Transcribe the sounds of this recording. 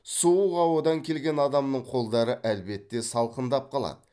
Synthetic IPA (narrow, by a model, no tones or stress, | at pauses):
suuʁɑwod̪ɑŋkʲʰe̞lɡʲe̞nɑd̪ɑmnəɴqʰo̞lˠd̪ɑɾəʔælbe̞t̪ːe̞sɑlˠqənd̪ɑp̚qʰɑlˠɑ̰d̪ə